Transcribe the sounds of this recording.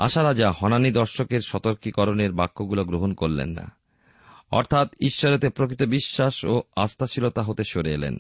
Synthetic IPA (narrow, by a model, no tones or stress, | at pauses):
a̰ʃaɾad͡ʑahɔnanid̪ɔɾʃokeɾʃɔt̪oɾkikɔɾoneɾbakːoɡuloɡɾoɦonkoɾlḛnːa̰ | ɔ̰ɾt̪ʰat̪iʃːoɾet̪epɾokɾit̪obiʃːaʃoast̪aʃilot̪aɦot̪eʃoɾeelḛn